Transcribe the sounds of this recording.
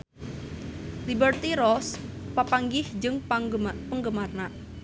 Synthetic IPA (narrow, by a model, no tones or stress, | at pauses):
libərt̪iɾɔspapaŋɡɪhd͡ʒɨŋpəŋɡəmarna